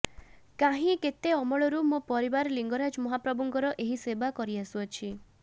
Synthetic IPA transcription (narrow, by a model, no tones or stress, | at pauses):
kaɦĩket̪eɔmɔɭɔɾumũpɔɾibaɾliŋɡɔɾad͡ʒmɔɦapɾɔbɔŋɡɔɾɔʔeɦisebakɔɾiasuɔt͡ʃʰi